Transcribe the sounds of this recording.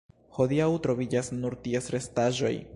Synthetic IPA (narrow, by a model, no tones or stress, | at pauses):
ho̞diawtɾo̞vid͡ʒasnuɾtiesɾe̞staʒo̞̰j